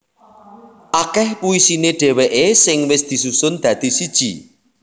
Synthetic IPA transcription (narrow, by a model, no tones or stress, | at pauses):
ʔakɛhpuisineɖ̥ɛ̤weʔesɪŋwɪsd̪̥i̤susʊnd̪̥ä̤d̪̥i̤sid̥ʒ̥i